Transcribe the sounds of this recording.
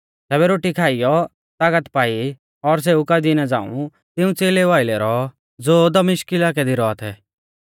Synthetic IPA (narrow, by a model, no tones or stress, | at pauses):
t̪ɛːbɛɾoːʈikʰaːijɔ | t̪aːkət̪paːi | ɔɾs̬eukad̪inad͡za̰ːṵ̃ | t̪ɪũt͡seːleʋaːɪlɛɾɔ | d͡zoːd̪ɐmɪʃkɪlak̬ɛd̪iɾɔat̪ʰɛ